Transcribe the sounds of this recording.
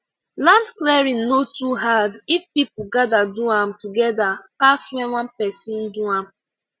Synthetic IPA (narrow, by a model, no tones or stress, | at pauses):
lãndklɛɹĩnnotuɦadifpipuɡadaduãmtuɡɛdapaswɛ̃nwãnpɛsĩnduãm